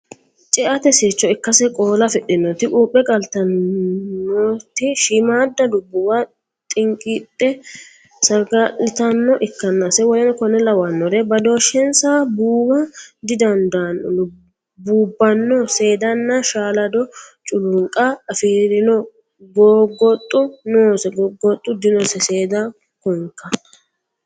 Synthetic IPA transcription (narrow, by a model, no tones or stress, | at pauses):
t͡ʃʼɛʔɐt̪ɛseːt͡ʃːɔɪkːɐsɛkʼoːlɐfɛɗɪnːɔt̪ɪʔuːpʼːɛkʼɐlt̪ɐnː | ɔt̪ɪʃɪmaːd̪ːɐd̪ʊbːʊwa | t̪ʼɪŋkʼɪtʼːɛ | sɐɾɡalːɪt̪ɐnːɔʔɪkːɐnːasɛwɔjɛnkɔnɛlɐwɐnːɔɾɛbɐd̪o̞ːʃɛnsabuːwɐd̪ɪd̪ɐnd̪ɐnːɔdʊ | buːbːɐnːɔse̞ːd̪ɐnːɐʃaːlɐd̪ɔt͡ʃʼʊlʊŋkʼɐːfiːɾɪnɔ | ɡoːɡɔt̪ʼːʊnoːsɛɡɔɡɔt̪ʼːʊd̪ɪnɔsɛse̞ːd̪a | kɔŋkːɐ